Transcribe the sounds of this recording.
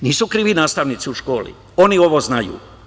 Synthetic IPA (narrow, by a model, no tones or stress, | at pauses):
niːsukɾiːʋinaːst̪aʋnit̪siuʃkoːlḭ | o̞nioʋoznajṵː